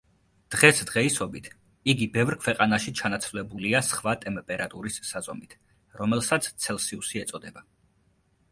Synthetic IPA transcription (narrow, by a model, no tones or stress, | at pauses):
d̪̥ʁɛsd̪ʁɛisɔbit̪ʰ | iɡibɛvɾkʰwɛqʼanaʃit͡ʃʰanat̪sʰvlɛbuliasχvat̪ʼɛmpʼɛɾat̪ʼuɾisːazɔmit̪ʰ | ɾɔmɛlˠsat̪sʰt̪sʰɛlˠsiusiɛt̪sʼɔd̪ɛba